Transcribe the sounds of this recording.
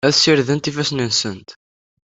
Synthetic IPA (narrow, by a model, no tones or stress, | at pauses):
æðsiɾðənt̪ifæsninsənt̪